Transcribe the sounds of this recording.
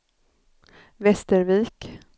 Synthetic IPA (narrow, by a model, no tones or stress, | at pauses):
vɛst̪əɾviːk